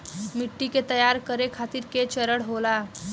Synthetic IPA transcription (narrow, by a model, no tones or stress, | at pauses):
miʈːiket̪əjaɾkəɾekʰat̪iːɾket͡ɕəɾəɽɦola